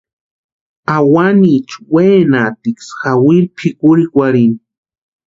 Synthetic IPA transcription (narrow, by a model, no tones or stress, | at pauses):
awanit͡ʃweːnat̪iksxawilpʰikuɾikʷaɾini